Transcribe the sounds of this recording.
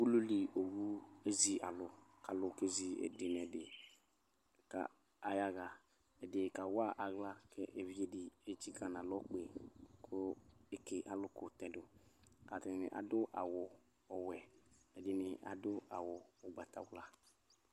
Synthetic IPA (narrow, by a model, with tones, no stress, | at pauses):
bu˦lu˦li˨o˨wu˦e˦zi˦a˨lʊ˨ka˨lʊ˨ke˦zi˨ɛ̰˨dɪ˨n˨ɛ˨dɪ˨ | ka̰˨ | a˨ja˦ɣa˨ | ɛ˨dɪ˨ka˨wa˦ʔa˨ɣla˦kɛ˦ʔe˨vi˦e˨dɪ˨e˦t͡ʃi˦ɡã˨n˨a˨lɔ˦k͡pe˨kʰʊ˦e˦ke˨ʔa˨lʊ˦kʊ˨tɛ̃˨dʊ˨ka˨tɪ˨nɪ̰˨ʔa̰˨dʊ˦ʔa̰˨wʊ˨ | ɔ˨wɛ˨ɛ˨dɪ˨nɪ˨ʔa̰˨dʊ˦a̰˨wʊ˨ɔ˨ɡ͡ba˨ta̰˨wla˦